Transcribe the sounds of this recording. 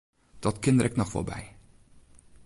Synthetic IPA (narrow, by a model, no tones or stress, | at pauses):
d̥ɑtkɪnəɾʔɛknɔχfo̰ɹbɛ̰j